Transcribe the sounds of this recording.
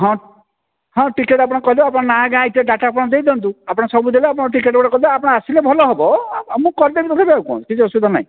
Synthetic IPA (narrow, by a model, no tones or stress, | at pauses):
ɦɔ̃ | ɦɔ̃ʈikeʈap̬ɔɽ̃ɔkɔɦilɔapɔɽ̃ɔnaɡãitieɖaʈapɔɽ̃ɔd̪ejd̪ɔnt̪uapɔɽ̃ɔsɔbud̪ʱeleapɔɽ̃ɔʈ̬ikeʈbɔɽɔkɔilɛapɔɽ̃ɔasilebʱɔlɔɦebɔmũkɔɾd̪ebit̪ɔk̪ʰabiaukuã̰̥kit͡ʃʰɔsud̪ʱɔna̰ɦḭ̃